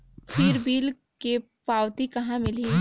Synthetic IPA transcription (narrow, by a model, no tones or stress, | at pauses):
pʰiːɾbiːl | ke | paːwt̪ikɐɦãmɪli